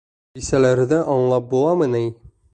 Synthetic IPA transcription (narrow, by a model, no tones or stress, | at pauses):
isælæɾd̪æʔɒɴlˠɑp̚bulˠɑmɤnæj